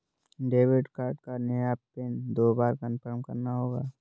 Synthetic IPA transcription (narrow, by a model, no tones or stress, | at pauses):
ɖeːwɪɖkaːɾɖkanəjapeːnd̪oːbaːɾkənpəɾəmkɐɾnaɦoːɡaː